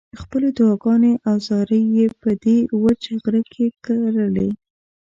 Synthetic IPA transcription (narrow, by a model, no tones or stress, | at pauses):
əxpəled̪wɑɡɑneʔawzɑɾəjːepəd̪ewət͡ʃaɣɾəkʰekaɾəle